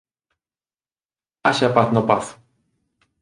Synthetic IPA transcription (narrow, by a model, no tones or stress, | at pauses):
aɕapaθnɔpaθ